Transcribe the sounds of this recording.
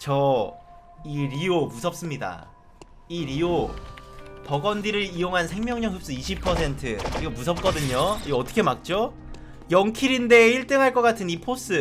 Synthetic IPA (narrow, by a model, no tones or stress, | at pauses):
t͡ɕʌ | iɾiomusʰʌp̚s͈ɯmɲida̰ | iɾio | pʌɡʌndiɾɯɾijoŋɦansʰe̞ŋmʲjʌŋɲʌŋɦɯp̚s͈ɯiɕʰipʰʌsʰe̞ntʰɯkɯɾiɡʌmus̬ʰʌp̚k͈ʌdɯɲoiʌt͈ʰʌ̥kʰe̞mak̚t͡ɕ͈o | jʌŋkʰiɾinde̞iɭt͈ɯŋɦaɭk͈ʌk͈atʰɯnipʰos͈ɯ